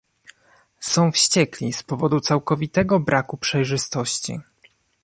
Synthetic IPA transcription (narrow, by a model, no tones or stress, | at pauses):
sɔ̃w̃fɕt͡ɕɛklʲispɔvɔd̪ut̪sawkɔvʲit̪ɛɡɔbɾʔakupʂɛjʐɘst̪ɔɕt͡ɕḭ